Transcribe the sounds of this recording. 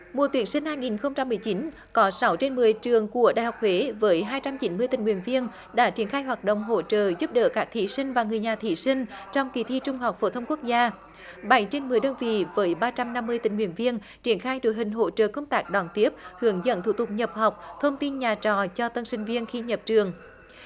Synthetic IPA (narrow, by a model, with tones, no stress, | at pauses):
mu˨ət̪wi˨˦ənsï˧ŋ̟haː˧jŋi˨˩nxə˧wŋ͡mt͡ɕa˧mːɨ˨˩əjt͡ɕi˨˦n | kɔ˨˦sa˨˦wt͡ɕe˧nmɨ˨˩əjt͡ɕɨ˨˩əŋku˧˩əɗa̰ː˨jɦa˨˩k͡p̚hwe˨˦vəː˨˦jɦaː˧jt͡ɕa˧mt͡ɕi˨˦nmɨ˧ət̪ï˨˩ŋwḭ˧˨ənvi˧ən | ɗa̰ː˧˥t͡ɕi˧˩ənxaː˧jɦwaː˨˩t̚ɗo̰˧˨wŋ͡mɦo̰˧˨t͡ɕəː˧˨zu˦˥p̚ɗə̰ː˧˨˩kaː˦˥k̚t̪ʰi˧˩sï˧ŋ̟vaː˨˩ŋɨ˨˩əjɲaː˨˩t̪ʰi˧˩sï˧ŋ̟t͡ɕɔ˧wŋ͡mki˨˩t̪ʰi˧t͡ɕʊ˧ŋ͡mha˨˩wk͡p̚fo˨˦t̪ʰə˧wŋ͡mku˦˥ək̚zaː˧ | ɓa˨˩˦jt͡ɕe˧nmɨ˨˩əjɗəː˧nvḭ˧˨vəː˨˦jɓaː˧t͡ɕa˧mna˧mːɨ˧əjt̪ï˨˩ŋ̟ŋwḭ˧˩ənvi˧ən | t͡ɕi˧˩ənxaː˧jɗo˧˩˦jɦï˨˩ŋ̟ɦo̰˧˥t͡ɕə̰ː˧˨˩kə˧wŋ͡mt̪aː˦˥k̚ɗɔ˨˩nt̪i˦˥əp̚hɨ˨˦əŋzə̰˧˨nt̪ʰu˧˥t̪ʊ˨˩k͡p̚ɲə˨˩p̚ha˨˩wk͡p̚t̪ʰə˧wŋ͡mt̪i˧nɲaː˨˩t͡ɕɔ̰˧˨t͡ɕɔ˧t̪ə˧nsï˧ŋ̟vi˧ənxi˧ɲə˨˩p̚t͡ɕɨ˨˩əŋ